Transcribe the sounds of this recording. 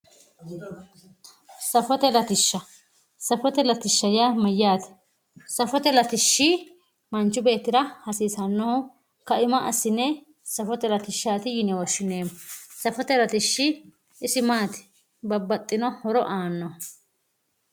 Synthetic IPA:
sɐfɔt̪ɛlɐt̪ɪʃːɐ | sɐfɔt̪ɛlɐt̪ɪʃːɐjaːmɐjːaːt̪ɛ̥ | sɐfɔt̪ɛlɐt̪ɪʃːi | mɐnt͡ʃːʊbe̞ːt̪ːɪɾɐhɐsiːsɐnːɔhʊ | kɐʔɪmɐʔɐ̰sːɪnːɛ | sɐfɔt̪ɛlɐt̪ɪʃːaːt̪ɪjɪnɛwɔʃːɪneːmsɐfɔt̪ɛlɐt̪ɪʃːi | ɪsɪmaːt̪ɪ̥ | bɐbːɐt̪ʼːɪnɔhɔɾɔʔaːnːɔ

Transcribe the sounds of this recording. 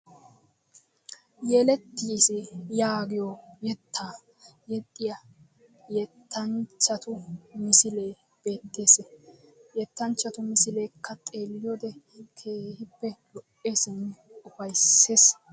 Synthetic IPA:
jeːlɛt̪ːiːsɪjaːɡɪjojɛt̪ʰːaː | jɛt̪ʼːɪjɐ | jɛt̪ʰːɐnt͡ʃːɐt̪ʊmɪsɪle̞ː | b̥e̞ːt̪ːesejɛt̪ːɐnt͡ʃːɐt̪ʊmɪsɪle̞ːkːɐt̪ʼe̞ːlːɪjod̪ɛ | kʰe̞ːhɪpːɛlɔʔʼːe̞ːsɪnʊfɐjsːeːs

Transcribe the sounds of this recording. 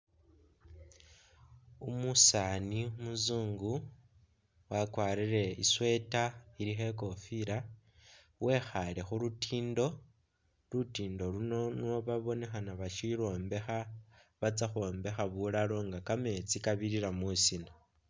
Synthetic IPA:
umusanimuzuːŋɡu | wakwaːɾiɾe̞iswe̞taiɾixe̞ko̞fiɾa | wʔe̞xale̞xulutʰiːndo̞ | lutiːndo̞luno̞noβaβo̞ne̞xanaβaʃiɾo̞ːmbe̞xaβat͡saxo̞ːmbe̞xaβulalo̞ŋɡakame̞t͡sikaβiɾiɾamusina

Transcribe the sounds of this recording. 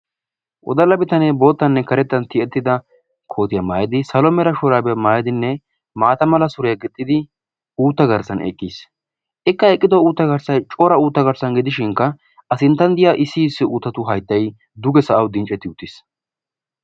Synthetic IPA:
ʔɔ̰d̪ɐlɐbɪt̪ɐnebo̞ːt̪ːɐnːɛkɐɾɛt̪ːɐnt̪ɪɛt̪ːɪd̪ɐ | kʰo̞ːt̪ɪjɐmaːjɪd̪ɪsɐlɔmɛɾɐʃɔɾaːbɛjɐmaːjɪd̪ɪnːɛ | maːt̪ɐmɐlɐsʊɾɛjɐɡɪt̪ʼːɪd̪ɪ | uːt̪ːɐɡɐɾsɐnʔɛ̰kʼːiːs | ʔɛkːɐɛkʼːɪd̪ɔuːt̪ːɐɡɐɾsɐjt͡ʃʼoːɾɐuːt̪ːɐɡɐɾsɐnɡɪd̪ɪʃɪŋkːɐ | ɐsɪnt̪ːɐnd̪ɪjaʔɪsːɪɪsːɪuːt̪ːɐt̪ʊɦɐjt̪ːɐj | d̪ʊɡɛsɐʔɐwd̪ɪnt͡ʃʼːɛt̪ːɪʊt̪ːɪs

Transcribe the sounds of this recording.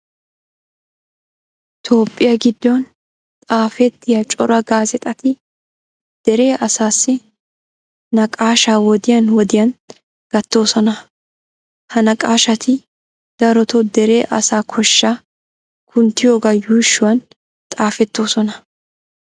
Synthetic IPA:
ɪt̪ʰo̞ːpʼːɪjɐɡɪd̪ːɔn | t̪ʼaːfɛt̪ːɪjɐt͡ʃʼɔɾɐɡaːzɛt̪ʼɐt̪ɪ | d̪̥ɛɾe̞ːʔɐsaːsːɪ | nɐkʼaːʃaːwɔd̪ɪjɐnwɔd̪ɪjɐn | ɡ̥ɐt̪ːo̞ːsɔnɐ | hɐnɐkʼaːʃɐt̪ʰɪ | d̪̥ɐɾɔt̪ɔd̪ɛɾe̞ːʔɐ̰saːkʰɔʃːaː | kʰʊnt̪ɪjoːɡɐjuːʃːʊwɐn | t̪ʼaːfɛt̪ːo̞ːsɔnɐ

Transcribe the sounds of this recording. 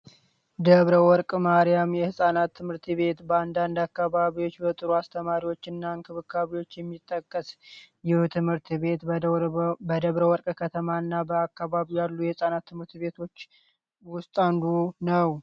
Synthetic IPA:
d̪əβɾəwɔɾkʼmaɾijamjɛhɨsʼanat̪ʰːɨmhɨɾt̪ʰβe̞t̪bəand̪and̪akːaβaβiwo̞t͡ʃːbət̪ʼɨɾuast̪ʰəmaɾiwo̞t͡ʃːɨnːaŋkʰɨβɨkʰːaβiwo̞t͡ʃːjɛmːit̪ʼːəkʼːəsjɪhut̪ʰɨmhɨɾt̪βe̞t̪ | bəd̪əβɾəwɔɾkʼkʰət̪ʰəmanːabəakːaβaβijalːujɛhɨsʼanat̪ʰːɨmhɨɾt̪βe̞t̪ʰo̞t͡ʃː | wʊst̪ʼand̪unəw

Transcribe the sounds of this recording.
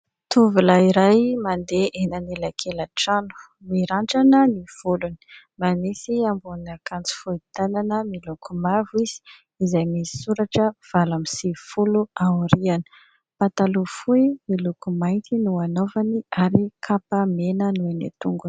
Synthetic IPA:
t̪uvulaiɾajmand̪eʔenanelakʰelaʈ͡ʂanu̥ | miɾaɳʈ͡ʂanəniv̥uluni̥ | mamisiambunakant͡si̥fuit̪ananəmilukʰumaviz̥i̥ | izajmisi̥suɾaʈ͡ʂəv̥alamisifuluaɾianə̥ | pat̪alufuimilukumajnt̪inuanovaniaɾikʰapamenənuenḛt̪uŋɡun

